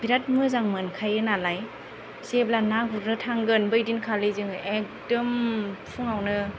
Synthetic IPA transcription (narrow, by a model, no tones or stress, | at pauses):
biɾat̚mɯzaŋmɯnkʰajɯnalaj | seblanaɡuɾnɯtʰaŋɡɯnbɯjdinkʰalejzɯŋek̚dɔmpʰuŋawnɯ